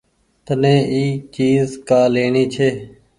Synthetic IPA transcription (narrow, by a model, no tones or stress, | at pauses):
t̪ənẽːiːt͡ʃiːzkaːleːɳiːt͡ʃʰeː